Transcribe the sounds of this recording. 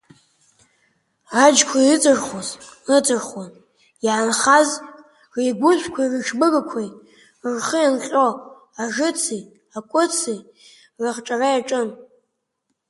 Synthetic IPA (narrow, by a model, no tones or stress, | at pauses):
ad͡ʒkʷʰaɨt͡sʼɨrχozɨt͡sʼɨrχwan | jaʕanχaz | rejɡʷʊɕʷkʷʰairɨʂbɨɡakʷʰaj | rχəjanɬʲʼo | aʐɨt͡sʰij | akʷʼʊt͡sʰij | rɨχʈ͡ʂʼarajaʈ͡ʂʼɨn